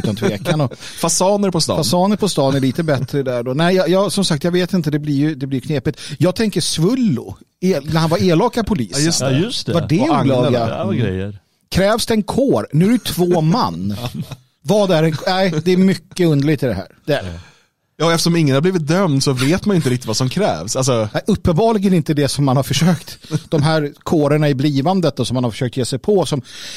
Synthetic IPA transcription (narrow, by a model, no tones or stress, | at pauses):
ʉt̪ant̪ʰveːkanɔ | fasɑːnəɾpʰɔst̪ɑ̰fasɑːnəɾpʰɔst̪ɑːnæɾɭiːt̪əbɛt̪ɾəd̪æɖɔnɛɪjɑjɑːsɔmsak̚t̪jɑɡveːt̪ɪnt̪əd̪ɛbliɾjɵd̪ɛbliɾjkʰneːpɪt̪jɑːɡ̚t̪ʰɛŋkəsvɵlːʊ̰ | eːnæɾhanvaɾeːlɑːkapʰʊliːsssvaɖɛʊlɑːɡaɾɛ̰jə̰ | kʰɾɛːvsd̪ɛɛnkʰoːɾnʉæɾʉt̪ʰvoːmanː | vɑːd̪æɾɛnknæɪd̪ɛːmʏkːəɵnd̪əɭɪɡt̪ɪd̪ɛɦæ̰ːɾd̪ɛæ | jɑːɛft̪ə̥ʂɔmɪŋːənhabliːvɪt̪̚d̪œmd̪sɔveːt̪manɪnt̪əɾɪk̚t̪ɪt̪vasɔmkʰɾɛ̰ːvsals̬ɔæʔɵpːənbɑːlɪɡəɾɪnt̪əd̪ɛsɔmːanhaɾfœʂøːkt̪d̪ɔmɦæːɾkʰoːɾəɳaɪbliːvand̪ət̪d̪ɔsɔmanhaɾfœ̥ʂøːkt̪jeːsɛjpʰɔsɔm